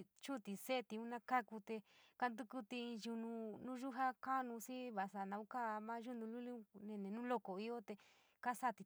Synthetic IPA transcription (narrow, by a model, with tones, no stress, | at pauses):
t͡ʃu˦t̪i˧se˦˧t̪i˧ũ˦nã˧ka˦ku˧t̪e˧ka˧nd̪u˧ku˦t̪i˧ĩ˧ʒu˧nũ˧nũ˦ʒu˦ɦa˦ka˦˧nũ˧si˦βa˨sa˧˨nã˧ũ˦ka˦˧mã˦ʒu˦nũ˧lu˦li˦ũ˦nẽ˧nẽ˨nũ˦lo˦ko˨i˦o˦t̪e˧ | ka˦sa˦˨t̪i˧